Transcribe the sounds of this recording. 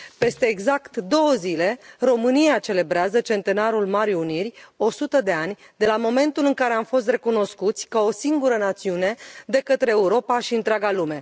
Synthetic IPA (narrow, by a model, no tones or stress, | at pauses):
pe̞st̪e̞ːɡzakt̪d̪o̞wəzile̞ro̞mɨniat͡ʃe̞le̞bɾeazət͡ʃe̞nt̪e̞naɾulmaɾiunirʲo̞sut̪əd̪e̞anʲ | d̪e̞lamo̞me̞nt̪ulɨŋkaɾe̞amfo̞s̬t̪re̞kuno̞skut̪sʲkao̞siŋɡuɾənat̪siune̞d̪e̞kət̪ɾe̞ːuɾo̞paʃiɨnt̪ɾʲeaɡalume̞